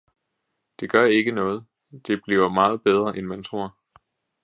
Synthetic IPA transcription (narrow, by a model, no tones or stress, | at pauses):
d̥e̝ɡ̥ɶɐe̝ɡ̥ənɔ̽ːð̩ˠ | d̥e̝b̥lḭːɐmɑ̈ːð̞̩ˠb̥eð̞ˠʁɐʔenmænt͡sʰʁo̝ɐ̰